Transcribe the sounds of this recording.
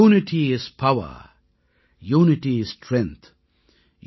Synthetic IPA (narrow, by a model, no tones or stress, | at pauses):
unɪʈʰiɪz̥pʰawə̰ | juːnɪʈiɪz̥stʰɾɛ̃ŋt̪ | j